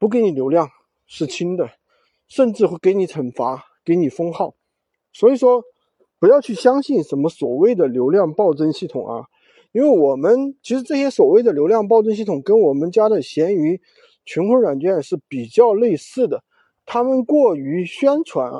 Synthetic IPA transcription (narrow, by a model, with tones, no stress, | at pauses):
pu˧˥k̬e˧˥ɪni˨˩ljo˧˥ʊljɑ˥˩ŋ | ʂɻ̩˥˩t͡ɕʰi˥ŋd̪ə˨ | ʂə˥˧nʈ͡ʂɻ̩˥˩xwe˥˩ke˧˥ɪni˧˥t͡sʰə˨˩nfa˧˥ | ke˧˥ɪni˨˩fɤ˥ŋxɑ˥˩ʊ | swɔ˧˥i˨˩ʂwɔ˥ | pu˧˥jɑ˥˧ʊt͡ɕʰy˥˩ɕjɑ˥ŋɕi˥˩nʂə˧˥nmə˧swɔ˨˩we˥˩ɪd̪ə˩ljo˧˥ʊljɑ˥˧ŋpɑ˥˩ʊʈ͡ʂə˥nɕi˥˩t̪ʰʊ˨˩ŋʔɐ̰˦ | i˥nwe˥˩ɪwɔ˨˩mə˦nt͡ɕʰi˧˥ʂɻ̩˧˥ʈ͡ʂɤ˥˩ɕjɛ˥swɔ˨˩we˥˩ɪd̪ə˩ljo˧˥ʊljɑ˥˧ŋp̬ɑ˥˧ʊʈ͡ʂə˥nɕi˥˩t̪ʰʊ˨˩ŋkə˥nwɔ˨˩mə˧˦nt͡ɕja˥d̪ə˨ɕjɛ˧˥ny˧˥ | t͡ɕʰy˧˥nxʰwe˥ɪɻwa˨˩nt͡ɕɥɛ˥˧nʂɻ̩˥˩pi˨˩t͡ɕjɑ˥˧ʊle˥˧ɪsɹ̩˥˩d̪ə˩ | t̪ʰa˥mə˨nkwɔ˥˩y˧˥ɕɥɛ˥nʈ͡ʂʰwa˧˥n˩